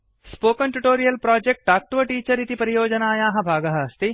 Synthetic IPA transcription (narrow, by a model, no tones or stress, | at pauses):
spoːkɐnʈuʈoːɾijɐlpɾaːd͡ʒek̚ʈaːk̚ʈʋɐʈiːt͡ʃɐɾit̪ipɐɾijoːd͡ʒɐnaːjaːɦɐ̃bʱaːɡɐɦɐɐst̪i